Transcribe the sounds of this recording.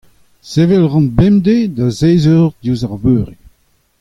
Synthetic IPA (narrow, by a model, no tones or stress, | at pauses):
sevɛlʁɑ̃nbɛmd̪ed̪azeːzøʁd̪uzaʁvøːʁi